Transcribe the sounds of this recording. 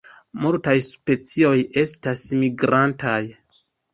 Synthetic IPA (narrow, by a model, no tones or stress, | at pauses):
muɾtajspe̞t͡sio̞je̞stasmiɡɾantaj